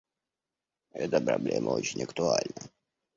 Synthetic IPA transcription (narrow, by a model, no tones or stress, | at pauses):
ɛt̪əpɾɐblʲemʔəot͡ɕɪnʲəkt̪ʊalʲnə